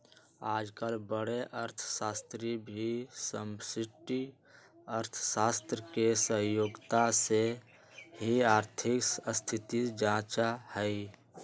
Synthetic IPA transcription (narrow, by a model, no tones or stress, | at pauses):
aːd͡ʒkəlbəɽeʔəɾt̪ʰsaːst̪ɾibʱisəmsɪʈi | əɾt̪ʰsaːst̪ɾəkesə̃ɦjoːɡt̪ase | ɦiaːɾt̪ʰɪkəst̪ʰɪt̪id͡ʒãːt͡ʃahəi